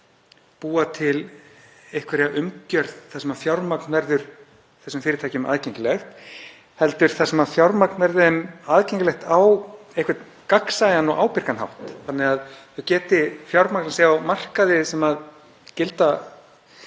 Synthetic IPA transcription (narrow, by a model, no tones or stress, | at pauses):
puːat̪ʰɪl | ehkvɛɾɛaʔʏmcœɾðθasɛmaðfjawɾmaknvɛɾðʏɾ̥ | θɛsːʏmfɪːɾɪt̪ʰajcʏma̰ðcɛɲcɪlɛxt̪ | hɛlt̪ʏɾ̥θasɛmaðfjawɾmaknvɛɾðmaðcɛɲcʏlɛht̪aw | ejhkvɪ̥t̪ | kaksajanɔɣawpɪɾ̥kanɦa̰wht̪θanːɪɣaðθʏcɛːt̪ɪfjawɾmaknanseːawmar̥kaðɪsɛmað | cɪlt̪a